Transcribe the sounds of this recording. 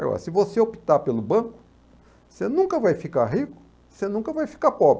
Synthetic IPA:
a̰ɡɔ̰ɾɐ̰sɪvoseopit̪apelʊbɐ̃kʊ | senũkɐvajfikaɦikʊ̥ | senũkɐvajfi̥kapɔbɾɪ

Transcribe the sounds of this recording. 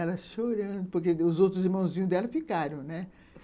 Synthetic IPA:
ɛlɐʃoɾɐ̃d̪ʊpoɾkeʊzowt̪ɾʊziɾmɐ̃w̃zĩɲʊzd̪ɛlɐfikaɾɐ̃w̃nɛ

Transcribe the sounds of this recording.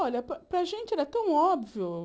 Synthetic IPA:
ɔʎɐpɾɐpɾɐʒẽnt͡ʃɪɛɾɛt̪ɐ̃w̃ɔbviʊ

